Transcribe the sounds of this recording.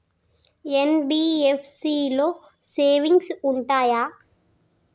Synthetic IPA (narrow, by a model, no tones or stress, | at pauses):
enbiːepʰsiːloː | seːʋiŋɡsuɳʈaːjaː